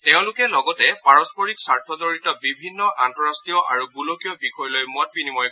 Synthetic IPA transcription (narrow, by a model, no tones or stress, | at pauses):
teʊ̃lʊkɛlɔɡɔtɛpaɹɔspɔɹiksaɹtʰɔdɔɹitɔbibʱinːɔʔantɔɹastijɔʔaɹuɡulokijɔbikʰɔjlojmɔt̚pinimɔj